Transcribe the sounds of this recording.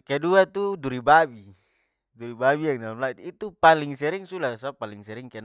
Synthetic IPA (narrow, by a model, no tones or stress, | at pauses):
kɛduat̪uduɾibabi | duɾibabiaŋnalamlait̪it̪upaliŋsɛɾiŋsulasapaliŋsɛɾiŋkɛn